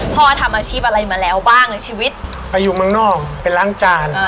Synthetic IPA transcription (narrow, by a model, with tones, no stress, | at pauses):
pʰɔː˥˩˧t̪ʰa˧mʔaː˧t͡ɕʰiː˥˩p̚ʔa˧ɾa˧jma˧lɛː˦˥wbaː˥˩ŋna˧˩t͡ɕʰiː˧wi˦˥t̪̚ | pa˧jːuː˨˩mɯ˧əŋnɔː˥˩ŋ̚pe˧nlaː˦˥ŋt͡ɕaː˧n˧